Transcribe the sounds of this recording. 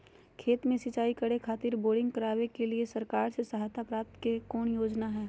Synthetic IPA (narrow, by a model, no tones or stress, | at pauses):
kʰeːt̪mẽsɪt͡ʃaːikɐɽekʰaːt̪ɪɾboːɖɪ̃ŋɡkɐɾaːʋekeliesɐɾkaːɾsesɐɦaːt̪ʰapɾaːp̚t̪kekoːɳjoːd͡ʒnaɦɛː